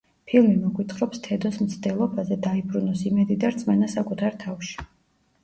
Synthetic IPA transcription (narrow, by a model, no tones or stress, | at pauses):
pʰilˠmimɔɡwit̪ʰχɾɔpst̪ʰɛd̪ɔsmt̪sʰd̪ɛlˠɔbazɛd̪aibɾunɔsimɛd̪id̪aɾt̪sʼmɛnasakʼut̪ʰaɾt̪ʰafʃi̥